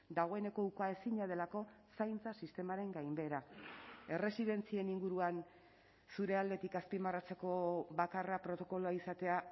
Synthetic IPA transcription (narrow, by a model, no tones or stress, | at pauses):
d̪aɣ̞o̞e̞ne̞ko̞ukae̞siɲað̞e̞lako̞ | sajnt͡sasist̪e̞maɾe̞ŋɡajmbe̞ɾae̞re̞siðe̞nt͡sie̞niŋɡuɾuan | suɾe̞ald̪e̞t̪ikaspimarat͡se̞ko̞βakarapɾo̞t̪o̞ko̞loaisat̪e̞a